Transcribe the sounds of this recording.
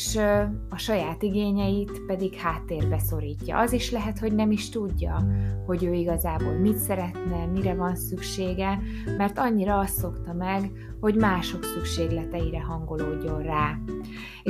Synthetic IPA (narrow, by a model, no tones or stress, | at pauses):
ʃɒʃɒjaːt̪iɡeːɲɛjit̪pɛd̪ikhaːt̪ːeːrbɛso̞ɾiːcːɒ̰ʔɒziʃlɛɦɛt̪ho̞ɟnɛmiʃt̪uɟːɒ̰ho̞ɟøːiɡɒzaːboːlmit̪sɛɾɛt̪nɛmiɾɛvɒnsykʃeːɡɛ | mɛrt̪ɒɲːiɾɒɒst̪ːo̞kt̪ɒmɛɡ | ho̞ɟmaːʃo̞ksykʃeːɡlɛt̪ɛjiɾɛɦɒŋɡo̞loːɟːo̞nraː